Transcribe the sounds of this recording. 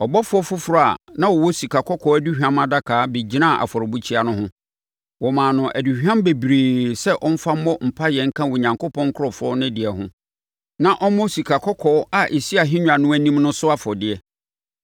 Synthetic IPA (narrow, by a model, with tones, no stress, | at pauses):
ɔ˨bɔ˦fʊ˦ɔ˦fʊ˦fʊ˦ɾa̰˨nã˦wɔ˨wɔ˦si˨kʰa˨kʰɔ˦kʰɔː˦æ˦di˦hᶣã˦ma˨da˦kʰaː˨˦be˨d͡ʑi˦nã˦˨ʔa̰˨fɔ˨ɾɔ˨bu˦t͡ɕʰi˦a˨nʊ̃˦ɦʊ̃˦ | wɔ˨mãː˨nʊ̃˨ʔæ˨du˨hã˦mbe˨bɾeː˨sɛ˦ʔɔ˦m̩˦fa˦m̩˦mɔ˦m̩˨pʰa˦jɛ˨ŋ̩˦kʰã˦wɔ˨ɲã˨ŋkʰo˦pʰɔ̃˦ŋ˦kʰʊ˦ɾɔ˨fɔ˦nʊ̃˦dɪ˨ɛ˨hʊ̃˦ | nã˦ʔɔ˦mɔ̃˦si˨kʰa˨kʰɔ˦kʰɔː˦a˨ʔe˨si˦a˨ɦɪ̃˦ɲᶣ˨a˨nʊ̃˦æ˦nĩ˦mnʊ̃˦sʊ˦a˦˨fɔ˨dɪ˨ɛ˨